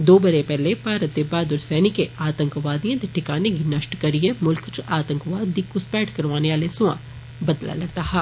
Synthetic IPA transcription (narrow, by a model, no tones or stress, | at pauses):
d̪oːbɐɾepɛɦlebaːɾət̪ːebaːd̪ʊɾsɛːnɪkeʔaːt̪ə̃ŋkʋaːd̪ijãd̪eʈʰɪkaːnekinɐʃʈkɐɾiemʊlkt͡ʃaːt̪ə̃ŋkʋaːd̪ːikʊspɛːʈkɐɾʋaːneʋaːlesʊã̰ | bɐd̪la̰lɐɡ̚t̪aːɦɛː